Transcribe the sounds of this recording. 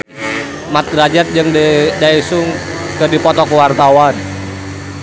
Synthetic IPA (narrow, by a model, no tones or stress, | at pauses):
mat̪̚rad͡ʒat̪̚d͡ʒɨŋdaisʊŋkɨrdipɔt̪ɔkəwart̪awan